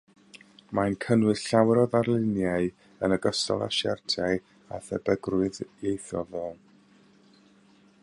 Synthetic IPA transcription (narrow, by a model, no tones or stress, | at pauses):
mankʰənwɨsɬawɾɔðarlˠɪnjaɨ | ənəɡəstɔ̰lˠa̰ʃɛrtʰaɨ | a̰θɛbɛɡrʊɨðjejθɔðɔlˠ